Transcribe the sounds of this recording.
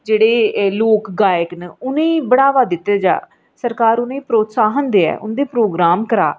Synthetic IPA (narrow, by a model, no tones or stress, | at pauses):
d͡ʒeːɽeːloːkɡaːjəknəʊnẽːibəɽaːʋaːd̪ɪt̪ːeːd͡ʒa̰ː | səɾkaːɾʊnẽːpɾoːt̪saːɦənd̪eːɛ̰ːʔʊnd̪eːpɾoːɡɾaːmkəɾaː